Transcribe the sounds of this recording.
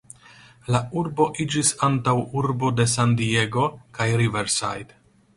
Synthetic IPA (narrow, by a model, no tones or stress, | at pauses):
lauɾbo̞ʔid͡ʒisantawuɾbo̞de̞sandie̞ɡo̞kajɾiveɾsa̰jd